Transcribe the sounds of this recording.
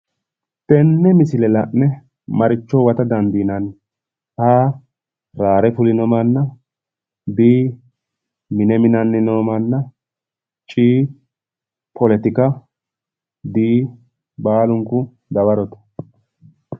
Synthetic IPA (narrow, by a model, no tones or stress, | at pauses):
t̪ɛnːɛmɪsɪlɛlɐʔnɛ | mɐɾɪt͡ʃːɔwɐt̪ɐd̪ɐnd̪iːnɐn | haː | ɾaːɾɛfʊlɪnɔmɐnːɐ | d̪iː | mɪnɛmɪnɐnːɪnoːmɐnːɐ | t͡ʃʼiː | pʰɔlɛt̪ɪkɐ | d̪iː | baːlʊŋkʊ | d̪ɐbɐɾɔt̪ɐ̥